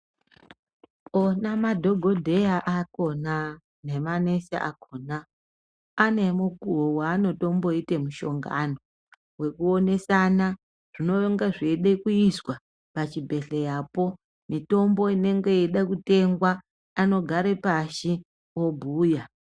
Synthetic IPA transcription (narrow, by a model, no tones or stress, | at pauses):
onamadʱo̞ɡʱo̞dʱe̞jaʔako̞na | ne̞mane̞sa̰ʔa̰kona | ane̞mukuɦowaːno̞to̞mbo̞itemuʃo̞ŋɡano̞ | we̞kuone̞sana | ʐ̥ino̞ŋɡaʐeɗekuiswa | pat͡ʃibʱe̞ɬejapo̞ | mito̞mbo̞ine̞ŋɡe̞jeɗakute̞ŋɡwaː | no̞ɡʱaɾe̞paʃi | obʱuːja